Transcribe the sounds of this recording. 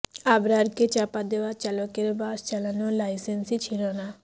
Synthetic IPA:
abɾaɾket͡ʃapad̪ewat͡ʃalokeɾbast͡ʃalanolajsensit͡ʃʰilona

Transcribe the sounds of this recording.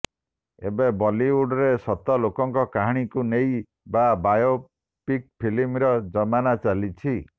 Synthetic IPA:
ḛbebɔliuɖɔɾesɔt̪ɔlokɔŋkɔkaɦɽ̃ikunej | babajo | pik̚pʰilimɾɔd͡ʒɔmanat͡ʃalit͡ʃʰi

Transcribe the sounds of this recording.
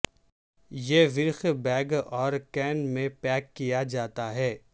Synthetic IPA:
jeʋɪɾxbɛːɡɔːɾkɛːnmẽpɛːkːijad͡ʒaːt̪aɦɛː

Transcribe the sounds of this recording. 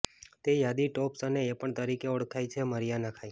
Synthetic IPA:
t̪ejad̪iʈɔpsəneːpəɳt̪əɾikeɔɽkʰajt͡ʃʰeməɾijanakʰai

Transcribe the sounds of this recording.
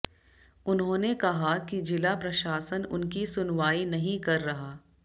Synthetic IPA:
ʊnɦõːnekɐɦakid͡ʒɪlapɾɐʃaːsənʊ̰nkisʊnʋaːinɐɦĩkɐɾːɐɦaː

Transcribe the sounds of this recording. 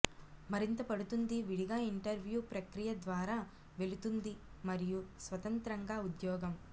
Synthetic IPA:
mɐɾint̪ɐpɐɽut̪und̪iʋiɽiɡaːiɳʈɐɾʋjuːpɾɐkɾijɐd̪ʋaːɾaː | ʋe̞lut̪und̪imɐɾijusʋɐt̪ɐnt̪ɾɐŋɡaːud̪jɔːɡɐm

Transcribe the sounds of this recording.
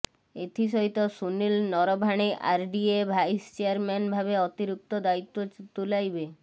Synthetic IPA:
et̪ʰiʃoɦit̪osunilnɔɾobʱaɽ̃eʔa̰ɾɖiebʱajst͡ɕeaɾmɛnbʱaβeɔt̪iɾuk̚t̪od̪ait̪ːot̪ulajbe

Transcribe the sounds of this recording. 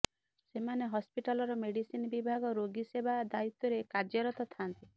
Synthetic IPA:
semaneɦɔspiʈalɔɾɔmeɽisinɔbibʱaɡɔɾoɡisebad̪ait̪ːɔɾekad͡ʒjɔɾɔt̪ɔt̪ʰant̪i

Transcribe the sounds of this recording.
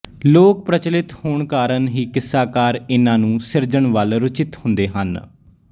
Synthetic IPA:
loːk̚pɾət͡ʃlɪt̪hoːɳkaːɾənɦiːkɪsːaːkaːɾɪnãːnũːsɪɾd͡ʒəɳʋəlɾʊt͡ʃɪt̪hʊnd̪eːɦə̰n

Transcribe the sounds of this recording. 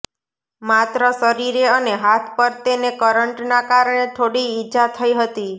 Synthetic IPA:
mat̪ɾəsəɾiɾeəneɦat̪ʰpəɾt̪enekəɾəɳʈnakaɾəɳ̃et̪ʰoɽiːd͡ʒat̪ʰəiɦət̪i

